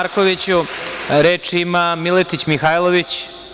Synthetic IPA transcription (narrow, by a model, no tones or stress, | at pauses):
ɾkoʋit͡ɕuɾe̞ːt͡ʂiimamilet̪it͡ɕmixaːjlˠoʋit͡ɕ